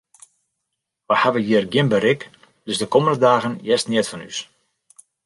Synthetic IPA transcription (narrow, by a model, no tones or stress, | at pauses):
ʋahaʋəjiərɡjɪnbəɾɪk | d̥øsdəkoməndədaːɣənjɛstnɪətfɔny̰s